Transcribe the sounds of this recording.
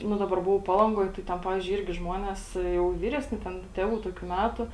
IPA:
ˈnʊ ˈdɑːbɐr ˈbʊʋɐʊ ˈpɑːlˠɐŋɡoːj tɐɪ ˈtʲɛn ˈpɑːʋʲɪzʲd͡ʒʲʊɪ ˈɪrʲɡʲɪ ˈʒmuɔnʲeːs jɛʊ ˈʋʲiːrʲɛsʲnʲɪ ˈtʲɛn ˈtʲeːʋuː ˈtoːkʲʊ ˈmʲætʊ

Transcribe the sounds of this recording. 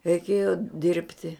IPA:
rʲɛɪˈkʲeːjoː ˈdʲɪrʲpʲtʲɪ

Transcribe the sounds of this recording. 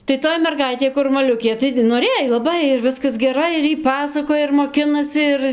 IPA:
tɐɪ ˈtoːj mʲɛrˈɡɐɪtʲeː kʊr mɐˈlʲʊkʲeː tɐɪɡʲɪ noːˈrʲeːj lˠɐˈbɐɪ ɪr ˈʋʲɪskɐs ˈɡʲæːrɐɪ ɪr ˈjiː ˈpɑːsɐkoːjɛ ɪr moːˈkʲɪnɐsʲɪ ˈɪr

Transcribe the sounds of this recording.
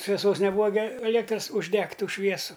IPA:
ʃʲʋʲɛˈsoːs nʲɛˈbuːɐ ɡʲɪ ɐˈlʲiɛktrɐs ʊʒʲˈdʲɛktʲ ˈtuː ˈʃʲʋʲiɛsʊ

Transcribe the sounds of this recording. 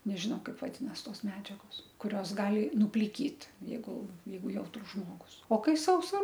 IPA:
nʲɛʒʲɪˈnɐʊ ˈkɐɪp ʋɐˈdʲɪnɐs ˈtoːs ˈmʲæːd͡ʒʲɛɡoːs kʊˈrʲoːs ˈɡɑːlʲɪ nʊpʲlʲɪˈkʲiːt jɛɪˈɡʊ ˈjɛɪɡʊ ˈjɛʊtrʊs ˈʒmoːɡʊs oː ˈkɐɪ ˈsɐʊsɐ

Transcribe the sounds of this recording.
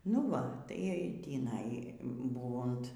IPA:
nʊ ˈʋɐ tɐɪ tʲiːˈnɐɪ ˈbuːʋʊnt

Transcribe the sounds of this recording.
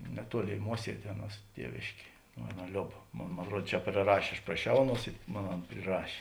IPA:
nʲɛˈtuɔˌlʲeːɪ ˈmuɔsʲiɛdʲeː ˈɑːˌnuɔs ˈtʲiɛʋʲeːʃʲkʲeː ˈɑːˌnɐ ˈlʲoːp ˈmoːn moːn ɐtˈruɔt t͡ʃʲɛ pʲrʲɪˈrɑːʃʲeː ɐʃ prɐˈʃʲɛʊ ˈɑːˌnuɔs ɪ ˈmoːn ˈɐn pʲrʲɪˈrɑːʃʲeː

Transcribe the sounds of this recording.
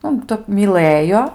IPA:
ˈnʊ ˈtəp mʲiːˈlˠəjoː

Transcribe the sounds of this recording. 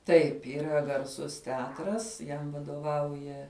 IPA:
ˈtɐɪp iːˈrɐ ɡɐrˈsʊs tʲɛˈɑːtrɐs ˈjɛm ʋɐdoːˈʋɐʊjɛ

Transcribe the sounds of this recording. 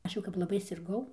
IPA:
ˈɐʃ jɛʊ kɐp lˠɐˈbɐɪ sʲɪrˈɡɐʊ

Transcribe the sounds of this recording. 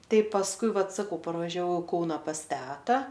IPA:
ˈtɐɪ pɐsˈkʊɪ ˈʋɐt sɐˈkɐʊ pɐrʋɐʒʲɛˈʋɐʊ ɪ ˈkɐʊnɐ pɐs ˈtʲæːtɐ

